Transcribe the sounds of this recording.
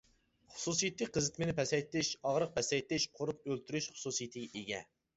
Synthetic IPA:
χʊ̥susijit̪ʰːɨqʰəzɨt̪mɪnɪpʰɛsɛjt̪ɪʃɑʁɾəq̚pʰɛsɛjt̪ɪʃqʰoɾʊp̚ølt̪ʰyɾyʃχʊ̥susijit̪ʰɪɡʲɛʔeɡʲɛ

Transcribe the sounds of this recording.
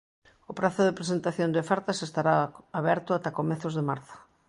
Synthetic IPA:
ʊpɾaθʊðepɾesent̪aθjond̪ɪfaɾt̪asest̪aɾaaβɛɾt̪ʊat̪akomɛθʊzðemaɾθo̥

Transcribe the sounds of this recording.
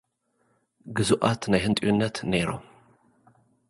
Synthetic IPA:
ɡɨzuʔat̪najhɨnt̪ʼiunːɐt̪neɾo̰m

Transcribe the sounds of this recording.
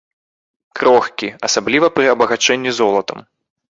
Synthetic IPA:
kɾɔxkʲiɐsablʲivɐpɾɨɐbɐɣat͡ʂɛnʲːizɔlˠɐt̪ɐm

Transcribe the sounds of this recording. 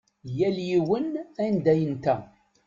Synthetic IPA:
jæljiwənænd̪æjənt̪æ

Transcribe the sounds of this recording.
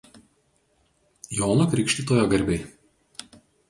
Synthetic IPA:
joːnokɾʲɪˑkʃʲt̪ʲit̪oːjoːɡɐɾʲbʲɛɪ

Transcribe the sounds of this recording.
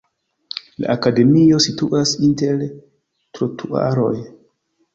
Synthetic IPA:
la̰ʔakade̞mio̞situʔasinte̞ɾ | tɾotʰua̰ɾo̞̰j

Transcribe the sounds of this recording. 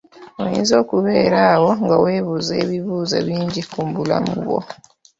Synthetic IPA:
ojḭːnzo̞ːkuβe̞ːɾaːwo̞ŋɡawe̞ːβuze̞ːβiβuːza̰βiːɲɟikumbula̰mṵβo̰

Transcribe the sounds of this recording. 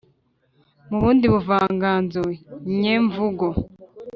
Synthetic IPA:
muβuːndiβuvaːŋɡaːnzoɲeːɱvuɡo

